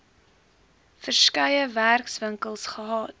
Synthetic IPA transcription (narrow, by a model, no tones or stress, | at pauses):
fərskœjəværksvəŋkəlˠsχəɦɑːt